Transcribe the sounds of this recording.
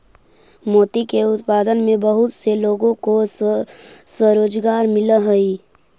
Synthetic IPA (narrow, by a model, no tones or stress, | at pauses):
moːt̪ikeʊt̪paːd̪ənmẽbəɦʊt̪seloːɡõko | səɾoːd͡ʒɡaːɾmɪləɦəi